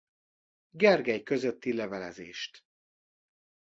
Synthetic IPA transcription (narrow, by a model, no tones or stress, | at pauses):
ɡɛrɡɛjkø̞zøt̪ːilɛvɛlɛ̰zḛːʃt̪